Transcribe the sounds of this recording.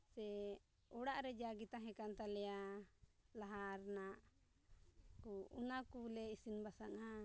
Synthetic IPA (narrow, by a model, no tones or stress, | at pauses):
sɛ | ɔɽaʔɾɛd͡ʒaɡit̪aɦɛ̃kant̪alɛja | laɦaɾnaʔ | kuunakulɛisinbasana